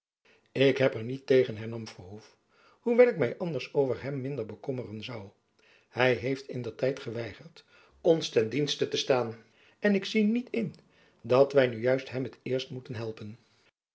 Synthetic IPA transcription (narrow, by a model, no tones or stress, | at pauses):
ɪkɦɛpəɹnitejχənɦɛɹnɑmfəɹɦuf | huʋɛlˠɪkmɛjʔɑndəɹsowvəɹɦɛmːɪndəɹbəkɔmərənzɑw | hɛjɦejftɪndəɹtɛjtχəʋɛjχəɹt | ɔnstɛndinstətəstaːn | ɛnɪksinitʰɪn | dɑtʋɛjnyjœɥstɦɛmətɪːɹstmutənɦɛlˠpən